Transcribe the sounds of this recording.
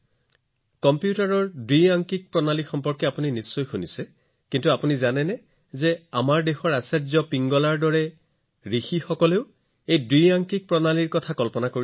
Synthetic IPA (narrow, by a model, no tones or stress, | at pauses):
kɔmpjutaɹɔɹdujaŋkik̚pɹɔnalixɔmpɔɹkɛapuninisːɔjxunisɛ | kintuapunizanɛnɛ | zɛamaɹdexɔɹasɛtzɔpiŋɡɔlaɹdɔɹɛ | ɹixixɔkɔleʊ | ejdujaŋkik̚pɹɔnaliɹkɔtʰakɔlpɔnakoi